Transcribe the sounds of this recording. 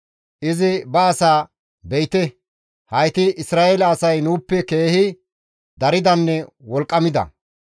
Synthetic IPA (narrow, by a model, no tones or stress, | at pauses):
ʔɪzɪbɐːsaː | bɛjt̪ɛ | hɐjt̪ɪʔɪsɾaːʔeːlɐːsɐjnuːpːɛke̞ːhɪ | d̪ɐɾɪd̪ɐnːɛwɔlkʼːɐmɪd̪ɐ̰